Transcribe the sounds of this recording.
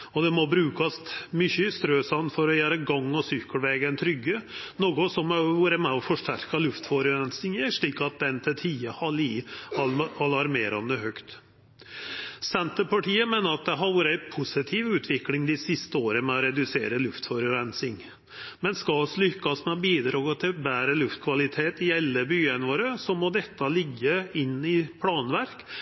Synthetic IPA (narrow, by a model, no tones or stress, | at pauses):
ɔd̪ɛmɔbɾʉːkɑsmʏçəst̪ɾøːsɑnfɔɾɔjæːɾəɡɑŋːɔsʏkːəlʋeːɡɛnt̪ʰɾʏɡːənoːɡʊsɔmʋuːɾəmɛɔfɔʂʈæɾkɑlʉft̪fɔɾəɾɛnsɪŋjəʂɭiːkɑt̪̚d̪ɛnt̪ʰɪt̪ʰiːəhɑli | ɑlɑɾmeːɾɑnd̪əɦœkt̪ | sɛnt̪əɾpɑʈʰiːəmeːnəɾɑt̪̚d̪ɛɦɑɾʋɔːɾəæɪpʰʊsɪt̪ʰiːʋʉːt̪ʰʋɪklɪŋd̪ɪsɪst̪əoːɾəmɛɔɾɛd̪ʉsḛːɾəlʉft̪fɔɾɾɛnsɪŋ | mɛnskɑɔslʏkːɑsmɛɔbiːd̪ɾɑːɡət̪ʰɪbæːɾəlʉft̪̚kʰʋɑlɪt̪ʰeːt̪ɪɛlːəbyːənʋoːɾəsɔmɔd̪ɛt̪ːɑlɪɡːəɪnːɪpʰlɑːnʋæɾk